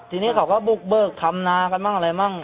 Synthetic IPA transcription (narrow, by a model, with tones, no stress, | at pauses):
t̪ʰiː˧niː˦˥˩kʰa˨˦wkɔː˥˩bu˨˩k̚bɤː˨˩k̚t̪ʰa˧mnaː˧ka˧˩maː˥˩ŋʔa˧ɾa˧jma˥˩ŋ